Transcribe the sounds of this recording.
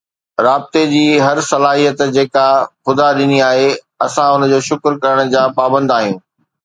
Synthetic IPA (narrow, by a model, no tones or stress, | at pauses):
ɾaːb̚t̪ed͡ʑiːɦɐɾsɐlaːɦijət̪d͡ʑeːkaxʊd̪aɗɪniaːɦe | ɐsãʊnə̆d͡ʑoːʃʊkɾkɐɾəɽ̃̆d͡ʑaːpaːbə̃nd̪aːɦijũː